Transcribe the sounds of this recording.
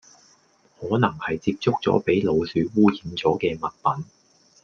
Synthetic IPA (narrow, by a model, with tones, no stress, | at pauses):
hɔː˨˥nɐ˨˩ŋhɐ˨jt͡siː˧p̚t͡sʊ˥k̚t͡sɔ̰ː˨˥pe˨˥jlo˨˧wsyː˨˧wuː˥jiː˨˥nt͡sɔː˨˥kɛː˧mɐ˨t̚pɐ˨˥n